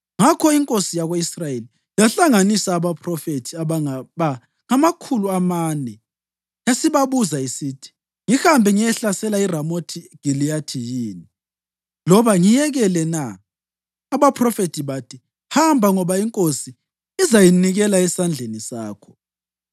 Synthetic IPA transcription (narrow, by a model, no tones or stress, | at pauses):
ŋakʰɔiŋkʼosijaɣwoisrajeli | jaɬaŋanisaːβapʰrɔfetʰiaaaβa | ŋamakʰuluamaːnɛ | jasiβaβuzaisiːtʰi̥ | ŋihambʱɛŋijɛɬasɛlairamotʰiɡ̥ʱiliatʰijiːni | lɔβaŋijɛɣɛlɛnaː | βapʰrɔfetʰiβatʰi | hambʱaŋɔβaiŋkʼosi | izajiniɣɛlaɛsand͡ɮʱenisaːkʰɔ̥